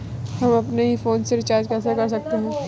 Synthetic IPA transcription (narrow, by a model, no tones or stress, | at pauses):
hɐmɐpneɦifoːnseɾɪt͡ʃaːɾd͡ʒkɛːsekɐɾs̬ɐk̚t̪eɦɛ̃ː